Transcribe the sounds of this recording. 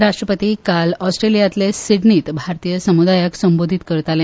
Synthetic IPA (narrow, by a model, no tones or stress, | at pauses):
ɾaʂʈɾəpət̪ikalɔsʈɾelijat̪lesiɽniːt̪bʱaɾt̪ijəsəmud̪ajəksəmbod̪ʱit̪kəɾt̪alẽ